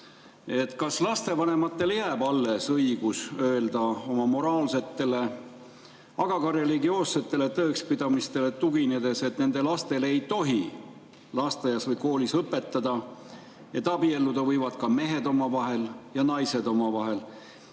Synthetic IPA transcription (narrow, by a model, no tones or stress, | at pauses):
e̞t̪ˑkɑslɑst̪e̞vɑne̞mɑt̪ːe̞ljæːbɑlːesɤiɡ̥usø̞eld̪̥ɑo̞mɑmo̞ɾɑːlse̞t̪ːe̞le̞ | ɑɡ̥ɑɡɑɾe̞liɡio̞ːsːe̞t̪ːˑe̞le̞t̪ɤːkspid̪̥ɑmist̪e̞le̞t̪uɡ̥ined̪e̞se̞t̪ne̞nd̪̥e̞lɑst̪e̞le̞jt̪o̞ɦi | lɑst̪ejɑsvɤjko̞ːlisɤpːˑe̞t̪ːˑɑd̪̥ɑ | et̪ːˑɑbielːud̪ɑvɤjvɑd̪̥kɑme̞ɦe̞d̪o̞mɑvɑɦe̞ljɑnɑjse̞d̪o̞mɑvɑɦe̞l